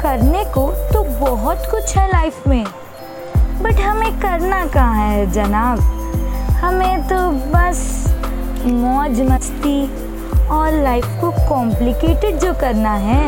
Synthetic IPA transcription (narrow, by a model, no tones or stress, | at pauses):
kɐɾnekot̪obɔɦʊt̪kʊt͡ʃʰɦɛlaːɪfmẽ | bɐʈɦɐmẽkɐɾnakaɦɛd͡ʒɐnaːb | hɐmẽt̪obɐs | mɔːd͡ʒmɐst̪i | ɔːɾlaːɪfkokɔ̃ːmplɪkeːʈɪɖ̚d͡ʒokɐɾnaɦɛː